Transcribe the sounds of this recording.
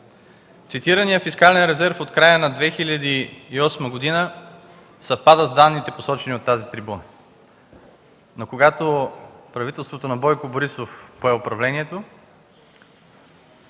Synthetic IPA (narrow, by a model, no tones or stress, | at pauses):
t̪sit̪iɾənijəfiskalɛnɾɛzɛɾfot̪kɾajənɐd̪vɛxilʲɐd̪iːɔsməɡod̪inə | sɐfpad̪əzd̪anːit̪ɛposɔt͡ʃɛniot̪ːazit̪ɾibunə | nokoɡat̪opɾɐvit̪ɛlˠst̪vot̪onɐbɔjkoboɾisofpoɛʊpɾɐvlɛniɛt̪o